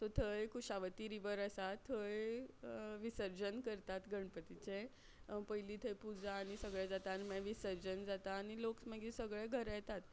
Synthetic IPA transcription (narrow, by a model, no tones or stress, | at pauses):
t̪ot̪ʰəjkuɕaʋət̪iɾiʋəɾəsat̪ʰːəj | ʋisəɾd͡ʑənkəɾt̪at̪ɡʱəɳpət̪it͡ɕe | pəjliːt̪ʰəjpud͡zaːɽ̃isəɡɭɛd͡zat̪animəʋisəɾd͡ʑənd͡zat̪aːñiloksməɡisəɡɭɛɡʱəɾjɛt̪at̪